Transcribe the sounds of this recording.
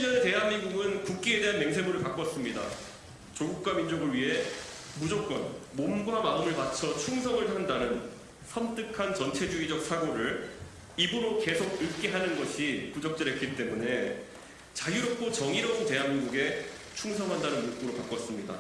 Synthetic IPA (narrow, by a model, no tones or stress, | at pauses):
iɲʌnete̞ɦanmiŋɡuɡɯnkuk̚k͈iede̞ɦanme̞ŋs̬ʰe̞muɾɯɭpak͈ʌs͈ɯmɲida̰ | t͡ɕoɡuk̚k͈wamind͡ʑoɡɯɭɥiɦe̞ | mud͡ʑok̚k͈ʌ̰nmomɡwamaɯmɯɭpat͡ɕʰʌt͡ɕʰuŋs̬ʰʌŋɯɭɦandanɯn | sʰʌmt͈ɯkʰant͡ɕʌnt͡ɕʰe̞d͡ʑuid͡ʑʌk̚sʰaɡoɾɯɭ | ibuɾoke̞sʰoɡ̚ɯɭk͈e̞ɦanɯnɡʌɕʰikud͡ʑʌk̚t͡ɕ͈ɯɾek͈it͈e̞mune̞ | t͡ɕajiɾop̚t͈ʰot͡ɕʌŋiɾʌsʰote̞ɦanmiŋɡuɡe̞ | t͡ɕʰuŋsʰʌŋɦandanɯnmok͈oɾopak͈ʌs͈ɯmɲida̰